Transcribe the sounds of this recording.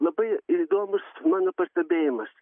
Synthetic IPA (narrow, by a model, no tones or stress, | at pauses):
lˠɐbɐɪid̪oːmʊsmɑːnoːpɐsʲt̪ʲɛbʲeːjɪmɐs